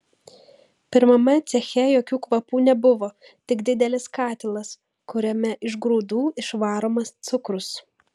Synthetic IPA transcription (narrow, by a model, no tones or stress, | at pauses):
pʲɪɾmɐmɐt̪sʲɛxʲɛjoːkʲuːkʋɐpuːnʲɛbʊʋoː | t̪ʲɪɡd̪ʲɪd̪ʲɛlʲɪskɑːt̪ʲɪlˠɐs | kʊɾʲɛmʲɛʔɪʒɡɾuːd̪uːɪʃʋɑːɾoːmɐst̪sʊkɾʊs